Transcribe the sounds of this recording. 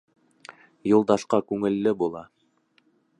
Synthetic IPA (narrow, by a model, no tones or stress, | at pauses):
julˠd̪ɑʃqɑkʉŋɘ̆lːɘbulˠɑ